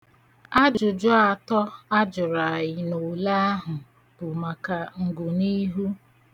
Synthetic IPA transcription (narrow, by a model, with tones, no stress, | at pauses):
a˦d͡ʒʊ˨d͡ʒɔ˦a˨tɔ˦a˦d͡ʒʊ˨ɾa˨jɪ˨no˨la˦a˦ɦʊ˨ | b̥ʊ˨ma˨ka˨ŋ̩˨ɡʊ˨ni˦ɦu˦